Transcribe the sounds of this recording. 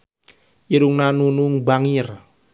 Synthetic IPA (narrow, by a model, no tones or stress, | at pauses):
iɾuŋnanunuŋbaŋir